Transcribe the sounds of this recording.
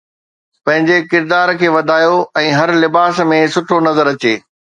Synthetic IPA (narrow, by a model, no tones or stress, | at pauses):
pɐ̃ɦɪ̃ɲd͡ʑekɪɾd̪aːɾkʰeːʋɐd̪ʱaːjoɛ̃ːɦɐɾlɪbaːsmẽsʊʈʰonɐzəɾɐt͡ɕḛː